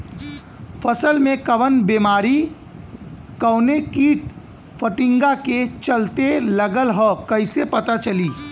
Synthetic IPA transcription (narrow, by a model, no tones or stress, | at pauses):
fʰɐsəlmẽkɐʋənbeːmaːɾi | kəːnekiːʈ̚ | fəʈɪ̃ŋɡaket͡ʃɐlt̪elɐɡəlɦɔːkɐɪsepɐt̪at͡ʃɐliː